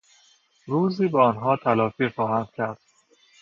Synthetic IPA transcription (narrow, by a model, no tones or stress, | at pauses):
ɾuːziːbeɒnɦɒːt̪ʰælɒːfiːχɒːhænd̪̥cʰæɾd̪̥